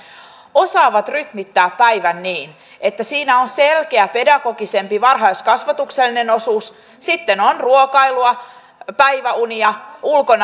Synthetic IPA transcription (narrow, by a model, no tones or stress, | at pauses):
osɑːʋɑt̪ryt̪mit̪ːæːppæiʋænːiːn | ʔet̪ːæsiːnæonselkeæpe̞dɑɡo̞ɡise̞mpiʋɑrɦɑiskɑsʋɑt̪ukselːineno̞suːs | sit̪ːenonruokɑiluɑ | pæiʋæuniɑulkon